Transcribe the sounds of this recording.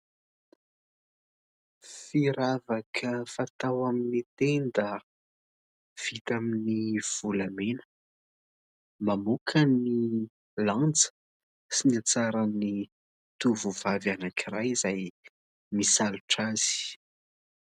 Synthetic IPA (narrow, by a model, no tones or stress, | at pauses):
fiɾavakʰəfat̪awaminit̪end̪ə | v̥it̪aminiv̥ulamenə̥ | mamukʰəni | lant͡sə̥ | sinat͡saɾani | t̪uvuvavanakirajizaj | misaluʈ͡ʂaz̥i̥